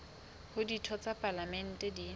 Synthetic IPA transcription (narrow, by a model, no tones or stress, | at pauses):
hʊditʰɔt͡sʼapʼalamɛn̩tʼɛdi